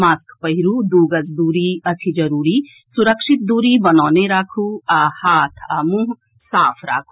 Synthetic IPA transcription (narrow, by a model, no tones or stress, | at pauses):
maːskpɐɦiɾud̪uːɡəzd̪uːɾiɐt̪ʰid͡ʒɐɾuːɾi | suɾəkʃit̪̚d̪uːɾibɐnaːneɾaːkʰuahaːt̪ʰɐmuɦ | saːpʰɾa̰ːkʰu